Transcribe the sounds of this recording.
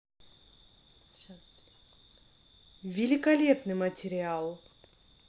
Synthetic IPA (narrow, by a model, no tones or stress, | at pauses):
vʲɪlʲɪkɐlʲepnɨmətʲɪɾʲɪalˠ